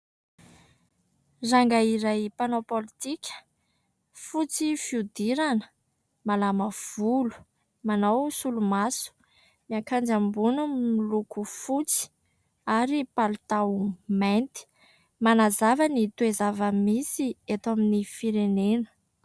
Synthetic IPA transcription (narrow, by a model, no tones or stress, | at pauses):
zaŋɡaiɾajpanopolit̪ikʲə̥ | fut͡sifiud̪iɾanə | malaməv̥ulu̥ | manawsulumasu̥ | miaŋkand͡ʒambunumilukufut͡si̥ | aɾipalt̪awment̪i̥ | manazavənit̪uezavəmisiet̪aminifiɾenenə̥